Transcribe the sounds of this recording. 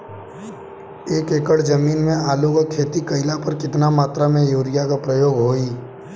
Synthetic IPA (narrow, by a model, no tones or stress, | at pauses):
eːkeːkəɽd͡ʒəmiːnmẽaːlokakʰeːt̪ikəɪlapəɾkɪt̪namaːt̪ɾamẽjoːɾɪjakapɾəjoːɡɦoːiː